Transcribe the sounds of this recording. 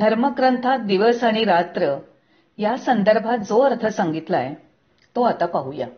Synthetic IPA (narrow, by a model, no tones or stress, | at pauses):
d̪ʱəɾməkɾənt̪ʰad̪iʋəsaɽ̃iɾat̪ɾə | jasənd̪əɾbʱat̪̚d͡zoəɾt̪ʰəsaŋɡit̪laj | t̪oat̪apaɦuja̰